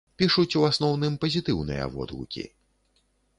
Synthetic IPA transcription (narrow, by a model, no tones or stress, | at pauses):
pʲiʂut͡sʲuasnɔwnɨmpɐzʲit̪ɨwnɨ̰jɐ̰vɔ̰d̪lṵkʲḭ